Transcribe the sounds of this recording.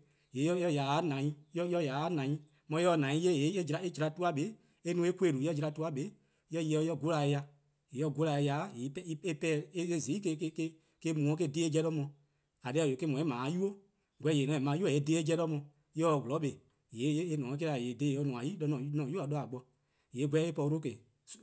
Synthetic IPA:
je˨˦ɔ˦jɔ˧˨ja˨˦nã˨˦ĩ˦jɔ˦jɔ˧˦˨ja˨˦nã˨ĩ˦ | mɔ̃˧˦ɔ˧˦˨nã˨˦ĩ˦je˦˨je˨˦e˦d͡ʒi˧ɾa˧˨e˦d͡ʒi˧ɾa˧tu˦a˦ɓe˨˦ | e˦nũ˧˦e˦kʷe˦˨ɾu˨˦ɔ˦d͡ʒi˧ɾa˧tu˦a˦ɓe˨˦ | jɔ˦je˧˦ɔ˧˦jɔ˦˨ɡo˦la˨e˧ja˧ | je˨˦ɔ˦˨ɡo˦la˧˨e˧ja˨˦je˨˦pɛ˦i˦e˦pɛː˦˨e˦e˦˨zi˨˦i˦ke˧˦ke˧˦ke˦ | ke˧˦mũ˨ɔ̃˧˦k̬e˦˨deː˧˦e˦d͡ʒɛ˧ɾɔ˦mɔ̃˧ | a˨dɛ˦˧˨o˨ke˦mɔ̃˨e˦mãː˨˦ju˦o˦ | ɡʷɛ˧˦˨je˨nɔ̃˨e˨mã˨˧˦ju˦ɔ˦˨e˨˦deː˦e˦d͡ʒɛ˧ɾɔ˦mɔ̃˧ | jɔ˧˨wo˨lɔ˨˦ɓe˨ | je˨˦e˦e˧nɔ̃ː˨˦k̬e˦a˨jeː˨deː˨˦˨jɔ˧˦nũ˨ã˨ji˦ɔ˧˦nɔ̃ː˨˦nɔ̃ː˨ju˦a˨ɗɔ˧˦a˨ɡ͡bɔ˧ | je˨˦ɡʷɛ˦e˦pɔ˧u˧ɾo˦ke˨ | s

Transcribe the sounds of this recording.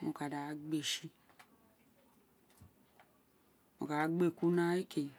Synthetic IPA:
mo˨ka˨da˨˦ɡ͡be˨ʃi˧ | o̰˨ka˨˦ɡ͡be˦˨ku˦nã˦e˦ke˨

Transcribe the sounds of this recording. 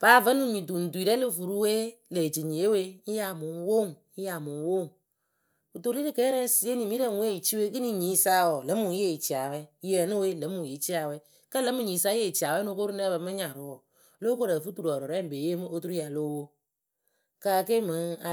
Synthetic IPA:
b̥aː˨˦və˦nɨ˨mi˨tu˨n̩˨du˨i˨ɾɛ˦lɨ˦˨fu˨ɾu˦we˦ | le˨d͡ʒi˨ɲe˨˦we˦ja˨mu˨˦ŋ˦wo˦˨ŋ˦ | ja˨mu˨ŋ˦wo˦˨ŋ | u˨to˨ɾi˦ɾɨ˨kɛ˦ɾɛ˦si˨˦e˦ni˨mi˦ɾə˦ŋ˨˦we˦˨i˨t͡ʃi˦we˦kɨ˦ni˨ɲi˨˦sa˦wɔ˨lə˨˦mu˨˦je˦˨i˨t͡ʃi˨a˨wɛ˦ɛ˨nɨ˦we˦lə˨˦mu˨ji˨˦t͡ʃi˦a˨wɛ˦ | kə˦lə˨˦mu˨ɲi˨˦sa˦je˦˨t͡ʃi˨a˨wɛ˦no˧˦ko˦ɾu˦nɛ˦bə˧mɨ˦ɲa˨ɾʊ˨˦ɔ˨ | lo˦ko˦ɾɛ˨fu˦tu˨ɾu˨ɔ˨ɾɔ˨ɾɛ˦m̩˨be˨je˦mɨ˦ʔo˦tu˦ɾu˦a˨lo˦wo˦ | ka˧˦˨ke˦mɨ˨˦ŋa˨

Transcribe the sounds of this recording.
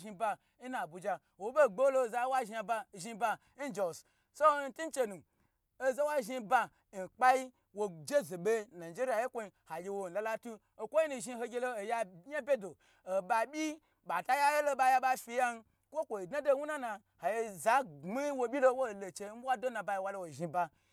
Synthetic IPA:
ʒi˧ba˧ | i˦na˨bu˨d͡ʒa˧ | wo˨˦be˦˨ɡ͡bo˦lo˧˨za˧˦wa˦ʒi˧a˧ba˧˨ʒi˧ba˧ | n̩˦d͡ʒo˨s | so˦n̩˦tu˦n˦t͡ʃe˧nu˨ | o˦za˦wa˦ʒi˧ba˧ | n̩˨k͡pa˦ji˦ | wo˨d͡ʒe˦zo˨be˦na˨d͡ʒe˦ɾi˦a˨je˦kʷo˧i˧ha˨jʲe˧wo˨n̩˨la˨˧la˦tu˦ | o˨kʷo˦ji˦nu˧ʒi˧ho˧ɡʲe˧lo˦o˨ja˧˦ja˦bʲe˦do˨ | o˨ba˨ɓʲi˦ | ɓa˨ta˦ja˦je˦lo˦ɓa˧ja˧ɓa˧fi˧ja˦n˧ | kʷo˦kʷo˨i˨dna˦do˦wu˦na˦na˧ | ha˨je˧za˨˦i˦wo˨˧bʲi˦lo˦wo˦˨lo˨t͡ʃe˧˦n˦a˦do˦nã˨ba˧ji˧wa˧lo˧wo˨ʒi˧ba˧

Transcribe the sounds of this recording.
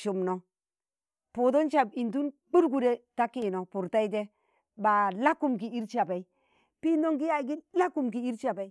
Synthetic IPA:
ʃu˨mno˨ | pu˨dɔ˦nt͡ʃa˨bi˨nt̬u˦nbu˦ɾɡu˦ɾe˨˦ta˦kːi˦˨no˨pu˨ɾta˦i˦te˦ | ba˨la˦kːu˦mki˨i˦ɾt͡ʃa˨pa˨i˦ | pi˦ndo˦ŋki˦ja˦˨k̬i˦la˦kːu˦mki˨i˦ɾt͡ʃa˨ba˨i˦

